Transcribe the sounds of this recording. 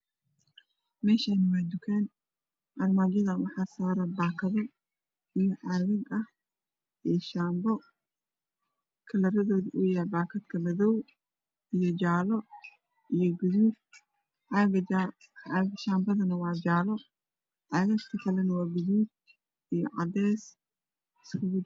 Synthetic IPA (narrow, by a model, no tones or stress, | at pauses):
mɛːʃɐnɐwaːd̪ʊkʰɛːn | ʔɐrmaːd͡ʒɐðɐwɑħɑːsaːɾɐbaːkʰɐðɐ | ʔijɔʕɑːɣɐɡɐh | ʔɛːʃaːmbɔ | kʰɐlɐɾɐðɔːðiʔuːjahɛbaːkʰɐd̪kʰɐbɐðɔw | ʔijɔd͡ʒaːlɔ | ʔijɔɡʊðuːb̚ | ʕɑɡɐ | ʕɑɡɐʃaːmbɐðɐnɐwɑːd͡ʒaːlɔ | ʕɑːɣɐst̪ʰɐkʰɐlɛnɐwɑːɡʊðuːd̚ | ijɔ̰ʕɑd̪ɛːs | ɪskʰʊɣʊ